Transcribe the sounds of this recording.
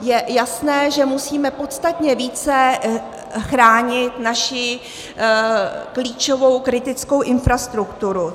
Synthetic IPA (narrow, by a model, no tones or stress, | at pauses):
jɛjasnɛːʒɛmusiːmɛpo̞t̪st̪at̪ɲɛviːt͡sɛ | xɾaːɲɪt̪naʃɪ | kliːt͡ʃovo̞wkɾɪt̪ɪt͡sko̞wʔɪnfɾast̪ɾukt̪uɾu